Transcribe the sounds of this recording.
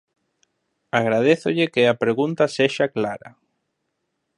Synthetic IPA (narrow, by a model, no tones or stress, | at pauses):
aɣɾaðeθʊʎɪkeapɾeɣunt̪aseʃaklaɾɐ̰